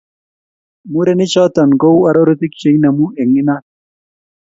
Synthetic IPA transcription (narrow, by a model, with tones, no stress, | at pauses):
mu˦ɾe˦ni˦t͡ʃɔ˦t̪a˨nɡo˦wa˨ɾo˦ɾo˦t̪i˦kt͡ʃe˨jna˨mu˦e˨ŋi˦na˦